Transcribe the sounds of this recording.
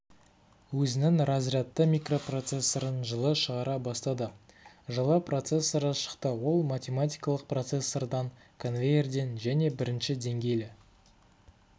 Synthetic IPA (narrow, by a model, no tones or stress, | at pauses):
wɵzɪnɪŋrɑzrɑt̪ːəmʲijkro̞pro̞t̪se̞sːoɾənʒəlˠəʃəʁɑɾɑbɑst̪ɑd̪ə | ʒəlˠɑpro̞t̪se̞sːoɾəʃə̥qt̪əwo̞lˠmat̪ʲe̞mat̪ʲijkɑlˠəq̚pro̞t̪se̞sːo̞rd̪ɑŋ | kʰo̞nvʲejerd̪enʒæne̞bɪɾɪnʃɪd̪e̞ŋɡʲe̞jlɪ